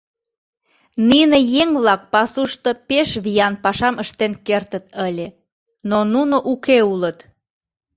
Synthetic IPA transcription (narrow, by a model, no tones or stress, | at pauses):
ninejeŋβlɑk̚pɑsuʃt̪opeʃβijɑnpɑʃɑmʔəʃt̪enkert̪ət̪əlʲe | nonunoʔukeulət̪